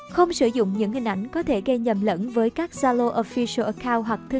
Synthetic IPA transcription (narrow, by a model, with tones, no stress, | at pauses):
xə˧wŋ͡msɨ˧˩zʊ̰˧˨ŋ͡mɲɨ̰˧˥ŋɦhï˨˩ŋ̟ʔa˧˩jŋ̟kɔ˨˦t̪ʰe˧˩ɣə˧jɲə˨˩mlə̰˧˥nvəː˨˦jkaː˦˥k̚z̥aː˧lo˧ʔo˧˩fi˧sə˧ʔə˧˩kaː˧wɦwa˨˩k̚t̪ʰɨ˧